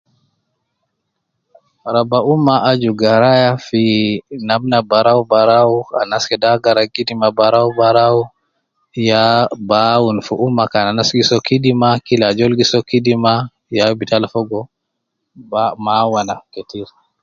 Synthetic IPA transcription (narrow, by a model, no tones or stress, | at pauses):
aɾabaʔumːaʔad͡ʒuɡaɾajafinamnabaɾaubaɾawuanaskɛdaɡaɾaɡidimabaɾaubaɾawu | jabawunfuʔumːakananasɡisɔkidimakilad͡ʒɔlɡisɔkidima | jabitalfɔɡɔ | amawanaketiɾ